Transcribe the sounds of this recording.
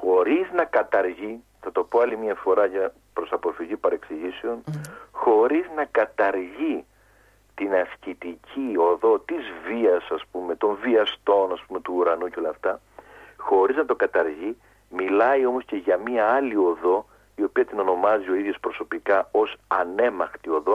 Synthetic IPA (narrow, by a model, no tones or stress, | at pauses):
xo̞ɾiznɐkɐt̪ɐɾʝi | θɐt̪o̞po̞ɐlimiɐfo̞ɾɐʝɐ | pɾo̞sɐpo̞fiʝipɐɾe̞ksiʝiseo̞nxo̞ɾiznɐkɐt̪ɐɾʝi | t̪inɐscit̪icʰio̞ðo̞t̪izviɐsɐspume̞t̪o̞ɱviɐst̪o̞nɐspume̞t̪uːɾɐnuceo̞lɐft̪ɐ | xo̞ɾiznɐt̪o̞kɐt̪ɐɾʝi | milɐio̞mo̞sce̞ʝɐmiɐɐlio̞ðo̞ | io̞piɐt̪ino̞no̞mɐzio̞iðʝo̞spɾo̞so̞pikɐo̞sɐne̞mɐxt̪io̞ðo̞